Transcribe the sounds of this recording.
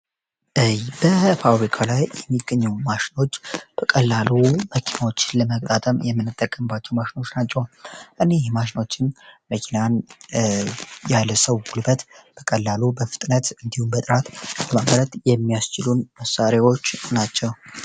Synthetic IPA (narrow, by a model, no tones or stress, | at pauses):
ʔjbəpʰabɾikʰalajjɛmːiɡːəɲːuwmaʃɪ̥no̞t͡ʃːb̥əkʼəlːaluməkʰinawo̞t͡ʃːɪnləmək̚ʼt̪ʼat̪ʼəmjɛmːɨnːɨt̪ʼːəkʼːəmbat͡ʃːɛwmaʃino̞t͡ʃːnat͡ʃːɛwʔɨnejhmaʃino̞t͡ʃːɪnməkʰinan | jaləsəwɡulbət̪b̥əkʼəlːalubəfɨ̥t̪ʼnət̪ɨnd̪ihumbət̪ʼɨɾat̪ləmaməɾət̪jɛmːijast͡ʃɪlunməsːaɾjawo̞t͡ʃːnat͡ʃːɛw